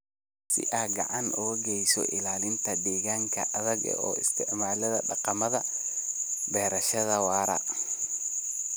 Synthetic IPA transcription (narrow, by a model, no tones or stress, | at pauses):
sɪ̰ʔaːɡɑ̰ʕɑnʔɔɣɐɡɛjsɔ̰ʔɪlaːlɪnt̪ʰɐd̪ɛːɣaːŋkʰɐ̰ʔɐðɐɡ̰ɔ̰ːɪst̪ʰɪʕmaːlɐðɐɖɑqɑmɐðɐ | bɛːɾɐʃɐðɐwɑːɾɐ̰